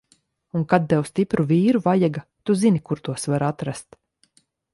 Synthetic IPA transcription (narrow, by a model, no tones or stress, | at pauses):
unkad̪̚t̪ɛwst̪ipɾuviːɾuvajaɡat̪uzinikuɾt̪uɔsvaɾat̪ɾast̪